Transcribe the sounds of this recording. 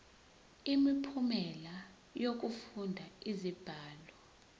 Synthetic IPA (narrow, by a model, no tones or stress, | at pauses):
imipʰumɛla | jok̬ufundʱaizib̥ʱaːlɔ